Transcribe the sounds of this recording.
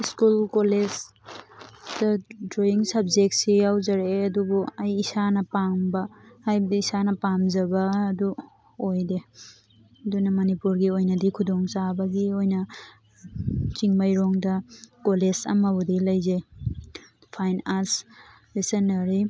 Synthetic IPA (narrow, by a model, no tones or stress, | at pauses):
iskulkoled͡ʒ | d̥ɐdɾojiŋsɐbzek̚t̚sijawzɐɾeɐdubuɐjisanɐpaŋbɐhajbɐdiisanɐpamzɐbɐːdu | ojde | dunɐmɐnipuɾɡiojnɐdikʰudɔŋt͡ʃabɐɡiojnɐ | t͡ʃiŋmɐjɾɔŋdɐkolesɐ̰mɐbudilɐjzej | pʰajnas | lisenːɐɾi